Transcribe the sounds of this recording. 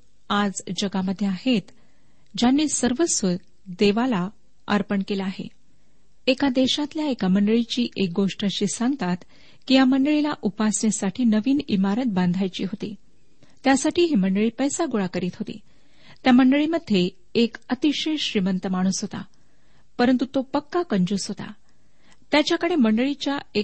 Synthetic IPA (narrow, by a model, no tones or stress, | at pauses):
ad͡zd͡ʑəɡaməd̪ʱːjeaɦet̪ | d͡ʑanːiːsəɾʋəsʋə | d̪eʋala | ə̰ɾpəɳkelaːɦḛ | ekad̪eɕat̪ljaekaməɳɖəɭit͡ɕiːʔek̚ɡoʂʈaɕiːsãŋɡət̪at̪ | kijaməɳɖəɭilaʔupasnesaʈʰiːnəʋiːnimaɾət̪̚band̪ʱajt͡ɕḭːɦot̪ḭː | t̪jasaʈʰiːɦiməɳɖəɭiːpəjsaɡoɭakəɾiːt̪ɦot̪ḭː | t̪jaməɳɖəɭiməd̪ʱːjeː | kət̪iɕeɕɾimənt̪əmaɽ̃uːsɦot̪a̰ | pəɾənt̪ut̪opəkːakəɲd͡ʑuːsɦot̪a̰ | t̪jat͡ɕjakəɽeməɳɖəɭit͡ɕjae